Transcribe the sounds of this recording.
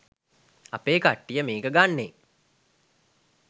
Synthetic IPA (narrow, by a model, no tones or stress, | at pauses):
a̰peːkaʈːijəmeːkəɡanːe